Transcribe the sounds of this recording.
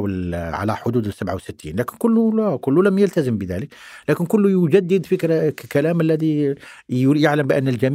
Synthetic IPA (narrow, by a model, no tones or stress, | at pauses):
wəlʕa̰læ̰ħʊd̪uːd̪əsːabʕawsət̪ːḭnlækənkʊlːulkʊlːuləmjəlt̪æzəmbəðæləklækɪnkʊlːujʊd͡ʒæd̪ːəd̪fikɾkælæməlːæði | jaʕləmbəʔænːəld͡ʒæm